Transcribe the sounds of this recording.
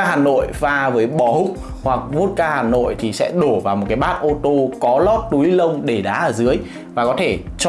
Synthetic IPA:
haː˨˩no̰˧˨jvaː˧vəː˨˦jɓɔ˧˩hʊ˦˥k͡p̚ | hwa˨˩k̚vo˦˥t̚kaː˧haː˨˩no̰˧˨jt̪ʰi˨˩sɛ̰˧˥ɗo˧˩vaː˨˩wmo˨˩tkaː˨˦jɓaː˦˥t̚ʔo˧t̪o˧kɔ˨˦lɔ˦˥t̚t̪u˨˦jlə˧wŋ͡mɗe˧˩ɗaː˨˦ʔəː˧˩zɨ˨˦əj | vaː˨˩kɔ˨˦t̪ʰe˧˩t͡ɕ

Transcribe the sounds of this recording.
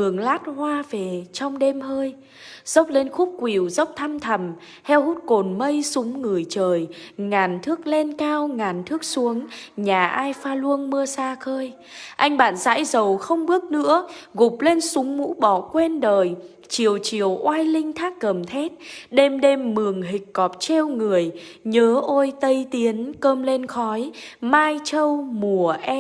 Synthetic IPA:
ɨ˨˩əŋlaː˦˥t̚hwaː˧ve˨˩t͡ɕɔ˧wŋ͡mɗe˧mhəː˧j | z̥ə˦˥wk͡p̚le˧nxu˦˥p̚kwi˨˩wzə˦˥wk͡p̚t̪ʰa˧mt̪ʰə˨˩m | t̪ʰɛ˧whu˦˥t̚ko˨˩nmə˧jsʊ˨˦ŋ͡mŋɨ˨˩əjt͡ɕəː˨˩jŋaː˨˩nt̪ʰɨ˦˥ək̚le˧nkaː˧wŋaː˨˩nt̪ʰɨ˦˥ək̚su˨˦əŋɲaː˨˩ʔaː˧jfaː˧lu˧ənmɨ˧əsaː˧xəː˧j | ʔa˧jŋ̟ɓa̰ː˧˨nza̰ː˧˥jzə˨˩wxə˧wŋ͡mɓɨ˦˥ək̚nɨ̰˧˥əɣʊ˨˩p̚le˧nsʊ˨˦ŋ͡mmṵ˧˥ɓɔ˧˩kwe˧nɗəː˨˩j | t͡ɕi˨˩əwt͡ɕi˨˩əwʔwaː˧jlï˧ŋ̟t̪ʰaː˦˥kːə˨˩mt̪ʰɛ˦˥t̚ɗe˧mɗe˧mːɨ˨˩əŋɦï˨˩k̟̚kɔ˨˩p̚t͡ɕe˧wŋɨ˨˩əj | ɲəː˨˦ʔo˧jt̪ə˧jt̪i˨˦ənkəː˧mle˧nxɔ˨˦jmaː˧jt͡ɕə˧wmu˨˩əʔɛ˧

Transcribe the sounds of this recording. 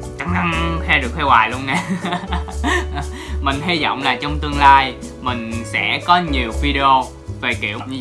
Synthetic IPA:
t͡ɕa˧˦ŋ̚na˧nxɛ˧ɗɨ˨˩ək̚fʰɛ˧waː˨˩jlu˧əŋna˨˩ | mï˨˩ŋ̟ɦi˧zɔ̰˧˨wŋ͡mlaː˨˩t͡ɕɔ˧wŋ͡mt̪ɨ˧əŋlaː˧j | mï˨˩ŋ̟sɛ̰˧˥kɔ˨˦ɲi˨˩əwvi˧ɗe˧o˧ | ve˨˩kḭ˧˩əwp̚ɲɨ˧

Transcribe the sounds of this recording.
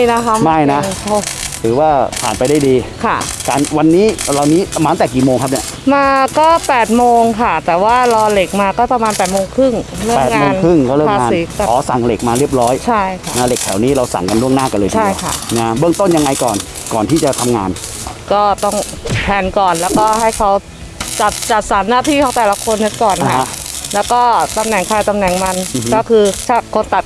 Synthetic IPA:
na˦˥kʰa˦˥ma˥˩jna˦˥o˧˩t̪ʰɯː˩˦waː˥˩pʰaː˨˩npa˧jdaː˥˩jdiː˧kʰa˥˩kaː˧˩nwa˧nːiː˦˥ɾa˧wniː˦˥maː˧˦t̪ɛː˨˩k̬iː˨˩moː˧ŋk̚ʰni˦˥˩ʔ | maː˧kɔː˥˩pɛː˨˩t̪̚moː˧ŋkʰa˥˩t̪ɛː˨˩waː˥˩lɔː˧le˨˩k̚maː˧kɔː˥˩pɾa˧maː˧npɛː˨˩t̪̚moː˧ŋkʰɯ˥˩ŋɾɯ˥˨˩pɛː˨tŋ̚amoː˧ŋnkʰɯ˥˩ŋkɔː˥˩ɾɯː˥˩aŋː˧ŋaː˧si˨˦t̪ɛː˨˩kɔː˩˦sa˨˩ŋle˨˩k̚maː˧ɾi˥˩əp̚ɾɔː˦˥jt͡ɕʰa˥˩jkʰa˥˩na˦˥˩le˨˩k̚t̪ʰɛ˩˦wniː˦˥ɾa˧wsa̰˨˩ŋka˧nɾu˥˩əŋnaː˥˩ka˧nlɤː˧t͡ɕʰa˦˥˧jkʰa̰˥˩na˦˥bɯ˥əŋt̪o˥˩nja˧ŋa˧jkɔː˨˩n | kɔː˨˩nt̪ʰiː˥˩t͡ɕa˨˩t̪ʰa˧mŋaː˧n | kɔː˥˩t̪ɔ˥˩ŋ | p̪ʰɛː˧nkɔː˨˩nlɛː˦˥wkɔː˥˩ha˥˩jkʰa˦˥w | t͡ɕa˨˩t̪̚t͡ɕa˨˩t̪̚sa˩˦nːaː˥˩t̪ʰiː˥˩kʰɔː˦˥ŋt̪ɛː˨˩la˧˦kʰo˧nːe˦˥tkɔː˨˩nʰa˦˥˦ | lɛː˦˥wkɔː˥˩t̪a˧mnɛ˨˩ŋkʰaː˧jt̪a˧mnɛ˨˩ŋma˧n˧˦kɔː˥˩kʰɯː˧t͡ɕʰa˥˩kʰo˧nt̪a˨˩t̪̚

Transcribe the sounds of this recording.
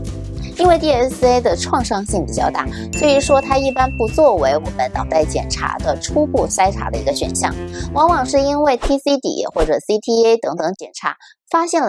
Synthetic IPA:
i˥nwe˥˧ɪt̪i˥˧ɛ˥se˥ɪd̪ə˨ʈ͡ʂʰwɑ˥˧ŋʂɑ˥˧ŋɕi˥˩ŋpi˨˩t͡ɕjɑ˥˧ʊt̪a˥˩ | sɔ˧˥y˧˥ʂwɔ˥t̪ʰa˥i˥˩pa˥npu˧˥t͡swɔ˥˩we˧˥ɪwɔ˨˩mə˦nt̪ɑ˨˩ʊt̪a˥˩ɪt͡ɕjɛ˨˩nʈ͡ʂʰa̰˧˥d̪ə˧ʈ͡ʂʰu˥pu˥˩sa˥ɪʈ͡ʂʰa̰˧˥d̪ə̰˧i˧˥ɡə˧ɕɥɛ̰˨˩nɕjɑ̰˥˩ŋwɑ˧˥ŋwɑ˨˩ŋʂɻ̩˥˩i˥nwe˥˩ɪt̪ʰi˥si˥t̪ḭ˨˩xwɔ˥˩ʈ͡ʂɤ˨˩si˥t̪ʰi˥e˥ɪt̪ɤ˧˥ŋt̪ɤ˧˥ŋt͡ɕjɛ˨˩nʈ͡ʂʰa̰˧˥ | fa˥ɕjɛ˥˩nl

